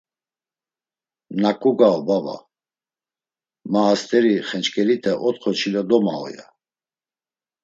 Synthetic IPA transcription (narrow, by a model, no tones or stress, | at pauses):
nakʼuɡaɔbava̰ | maːst̪ʰʼɛɾiχɛnt͡ʃkʰʼɛlit̪ʰɛʔɔt̪χɔt͡ʃʰilɔd̪ɔma̰ɔ̰ja̰